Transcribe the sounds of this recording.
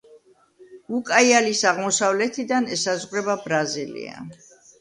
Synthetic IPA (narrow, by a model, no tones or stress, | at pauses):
ukʼaialisaʁmɔsavlɛt̪ʰid̪anɛsazʁɾɛbabɾazilḭa̰